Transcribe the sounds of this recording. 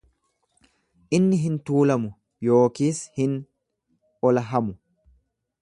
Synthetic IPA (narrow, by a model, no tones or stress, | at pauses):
ʔɪnːɪɦɪnt̪uːlɐmʊ | jo̞ːkiːshɪn | ɔlɐɦɐmʊ